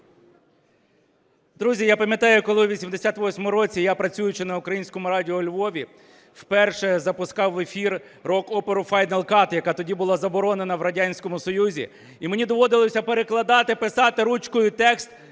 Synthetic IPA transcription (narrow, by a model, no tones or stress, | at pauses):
d̪ɾuzʲijapɐmʲjɐt̪ɑjʊkɔlˠɪʋʲisʲimd̪esʲat̪ʋɔsʲmɔmʊɾɔt͡sʲijapɾɐt͡sʲujʊt͡ʃɪnɐʊkɾɐjinʲsʲkɔmʊɾɑdʲɪɔlʲʋɔʋʲi | wpɛrʃɛzɐpʊskɑwefʲir | rɔkɔpeɾʊfɑjnɐlˠkɑt̪jɐkɑt̪ɔdʲibʊlˠɑzɐbɔɾɔne̞nɐʋɾɐdʲanʲsʲkɔmʊsɔjuzʲḭ | imenʲid̪ɔʋɔd̪ɪlˠɔsʲɐpeɾeklˠɐd̪ɑt̪ɪpɪsɑt̪ɪɾut͡ʃkɔjʊt̪ɛkst̪